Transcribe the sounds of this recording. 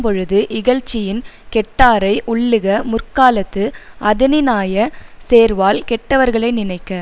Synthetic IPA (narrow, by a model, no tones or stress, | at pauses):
mpɔɻɯðɯʔɪɣɐɻt͡ʃːɪjɪn | kɛʈːaːɾɐɪʔʊɭːɯɣɐmʊrkaːlɐt̪ːɯʔɐðɪnɪnaːjɐseːɾʋaːlkɛʈːɐʋɐɾɣɐɭɐɪnɪnɐɪkːɐ